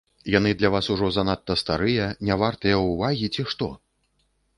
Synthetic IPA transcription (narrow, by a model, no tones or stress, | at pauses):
jan̪ɨd̪lʲavasuʐɔzanat̪ːɐst̪aɾɨjɐnʲavart̪ɨjɐuvaɣʲit͡sʲiʂt̪ɔ